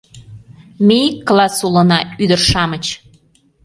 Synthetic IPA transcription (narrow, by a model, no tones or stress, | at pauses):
mʲejikːlˠɑsulənɑyd̪ərʃɑmət͡ɕ